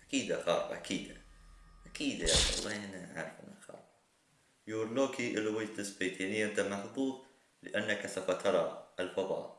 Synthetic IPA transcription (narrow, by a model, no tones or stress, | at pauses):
ʔakiːd̪axɑ̰ːbʔa̰kʰiːd̪aʔakiːd̪aja̰ʃɑ̰lˤːɑhɪnːaʕa̰ːɾˤɪfʔɪnːalxɑ̰ːb | juːɾloːkiʔɪlːawɪd͡ʒt̪ɪsbeːt̪ʰinɪʔɪnt̪amaħbuːt̪̚ˤ | lɪʔanːakasafat̪ʰɑɾˤɑɪlfɑðˤɑ̰ːʔ